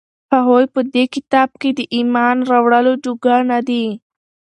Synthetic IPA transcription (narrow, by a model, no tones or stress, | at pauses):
paɦojpəd̪ekɪt̪ɑb̚ked̪əʔimɑnɾawɽəlod͡ʒuɡanad̪i